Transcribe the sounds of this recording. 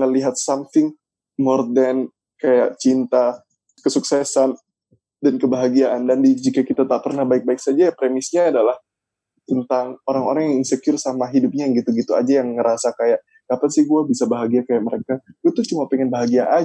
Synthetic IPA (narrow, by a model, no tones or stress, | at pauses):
ŋəliɦat̪̚samt̪ɪŋ | mɔrdɛn | kajaʔt͡ʃint̪a | kəsuksɛsan | dankəbaɦaɡiaʔandandid͡ʒikakit̪at̪apərnahbaɪk̚baɪksad͡ʒajapɾemɪsɲaːdalah | t̪ənt̪aŋoɾaŋoɾaŋjŋaŋsəkiʊrsamaɦidʊp̚ɲaɡit̪uɡit̪ua̰d͡ʒajaŋːəɾasakajaʔ | kapansiɡuabisabaɦaɡiakajaʔ̚məɾekaɡət̪ʊt͡ʃumapɛŋɛnbaɦaɡiaʔa